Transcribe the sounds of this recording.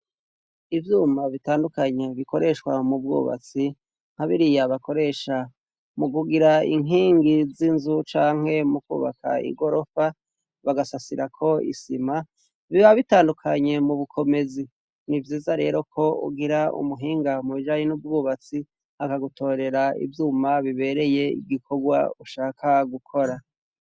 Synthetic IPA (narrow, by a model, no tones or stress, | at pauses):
ivjuːmaβitaːndukaɲe̞βiko̞ɾe̞ʃkwamub̚ɡṵːβa̰t͡si | ŋ̥haβiɾijaβako̞ɾe̞ʃa | muɡuɡiɾaḭŋɦiːŋɡizinzut͡ʃaːŋ̥he̞mukṵːβa̰kʰa̰ḭɡo̞ɾo̞fa | βaɡasasiɾakʰo̞ḭsima | βiβaβitaːndukʰaɲe̞muβukʰo̞me̞zi | nivjiːzaɾe̞ːɾo̞kʰo̞ṵɡiɾaṵmuɦiːŋɡamuβiʒaɲinub̚ɡuːβat͡si | hakaɡutʰo̞ːɾe̞ɾaḭvjuːmaβiβe̞ɾe̞je̞ḭɡikʰo̞ɡwa̰uʃaːkʰaɡukʰo̞ɾa